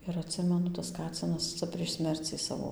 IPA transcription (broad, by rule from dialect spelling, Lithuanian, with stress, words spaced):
ɪr ɐtʲˈsʲɪmʲɛnʊ tɐs ˈkɑːt͡sʲɪnɐs ˈt͡sɐ pʲrʲiɛʃ ˈsʲmʲɛrʲt͡sʲiː ˈsɑːʋoː